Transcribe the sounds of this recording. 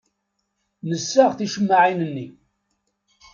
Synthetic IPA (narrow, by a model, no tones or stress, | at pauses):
nəsːaʁθiʃəmːaʕinənːi